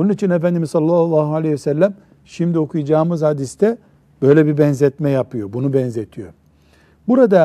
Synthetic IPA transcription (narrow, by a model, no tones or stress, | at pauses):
onunit͡ʃʰinefænd̪imizsɑlːalˠːaːɦualʲejɛsælʲːæm | ʃimd̪io̞kʰujad͡ʒaːmɯzhad̪ist̪ʰɛ | b̥ø̞jlʲɛbibɛnzɛt̪mɛjapʰɯjo̞bunubɛnzet̪ʰijo̞̰ | buɾad̪a